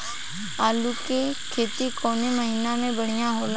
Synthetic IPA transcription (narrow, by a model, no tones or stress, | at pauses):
aːlukeːkʰeːt̪iːkoːneːməɦiːnãːmẽːbəɽɪjãːɦoːla